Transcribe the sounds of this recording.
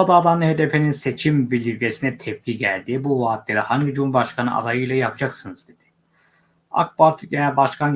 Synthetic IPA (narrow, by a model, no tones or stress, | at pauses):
ad̪aːd̪anˠɯɦe̞d̪epʰe̞ninse̞t͡ʃʰimbilʲiɾɟʲe̞sinɛt̪ʰɛp̚cʲiɟæ̰lʲd̪iːbuvaːt̪lʲeɾihaɲɟid͡ʒumbaʃkʰanɯ̰a̰d̪ajɯjlʲˠajapʰd͡ʒaksɯnɯzd̪e̞d̪̥ɪ̥ | a̰k̚baɾt̪ʰɯɟenɛbaʃkʰan